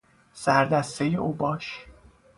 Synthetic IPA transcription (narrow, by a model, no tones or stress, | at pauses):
sæɾd̪æst̪ejeʔuːbɒːʃ